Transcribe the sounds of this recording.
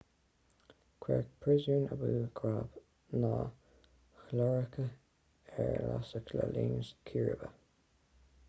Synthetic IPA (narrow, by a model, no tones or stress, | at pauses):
kʰwɛk̚pʰɹɪzjuːnəbuːɡɹaːp | nɑː | xlɔɹəkʰə | ɛɹla̰səkʰləliːnəskʰiɹəbə